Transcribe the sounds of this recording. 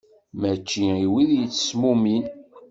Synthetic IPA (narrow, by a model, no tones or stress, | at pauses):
mæt͡ʃːiiwiðjət͡sːə̥smumin